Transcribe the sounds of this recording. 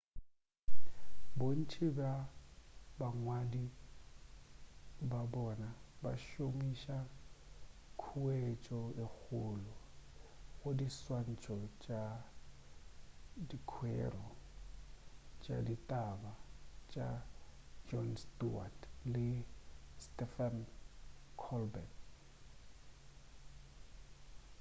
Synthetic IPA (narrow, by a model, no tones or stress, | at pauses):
bon̩t͡ʃʼɪba | baŋwadi | babɔnaba̰ʃomiʃa | kʰuwet͡ʃʼɔek͡xʰʊːlɔ | ɣʊdiswan̩t͡ʃʼɔt͡ʃʼa | dikʰwɛ̰rɔ | t͡ʃʼaditʼabat͡ʃʼa | d͡ʒɔnstuatlɪstɛfan | kʰɔlbɛn